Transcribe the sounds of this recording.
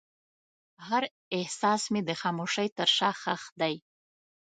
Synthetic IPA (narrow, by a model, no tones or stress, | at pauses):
haɾ | eħsasmidɨχamuʂajtʰɨrʂaχaχdaj